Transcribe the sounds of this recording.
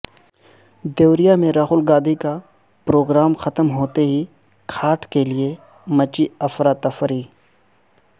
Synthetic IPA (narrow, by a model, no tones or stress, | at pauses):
d̪ewɾijamẽɾaːxʊlɡaːd̪ika | pɾoːɡɾaːmxɐt̪əmɦoːt̪eɦi | kʰaːʈʰkelie | mɐt͡ʃiɐfɾaːt̪ɐfɾiː